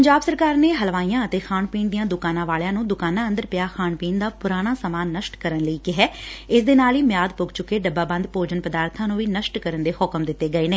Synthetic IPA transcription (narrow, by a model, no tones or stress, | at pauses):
pəɲd͡ʒaːbsəɾkaːɾneːɦəlʋaːijãːət̪eːkʰaːɳpiːnd̪ijãːd̪ʊkaːnãːʋaːljãːnũːd̪ʊkaːnãːə̃nd̪əɾpɪjaːxʰaːɳpiːnd̪aːpʊɾaːɽ̃aːsəmaːnːəʃʈkəɾənləiːkɪɦɛːɪsd̪eːnaːliːmɪjaːd̪pʊɡt͡ʃʊkːeːɖəbːaːbə̃nd̪poːd͡ʒənpəd̪aːɾt̪ʰãːnũːʋiːnəʃʈkəɾənd̪eːhʊkəmd̪ɪt̪ːeːɡəeːneː